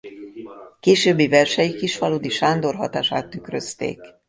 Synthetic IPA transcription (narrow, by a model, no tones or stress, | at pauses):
keːʃøːbːivɛrʃɛjikiʃfɒloːd̪iʃaːnd̪o̞rɦɒ̰t̪aːʃa̰ːt̪ːykrøst̪ḛːk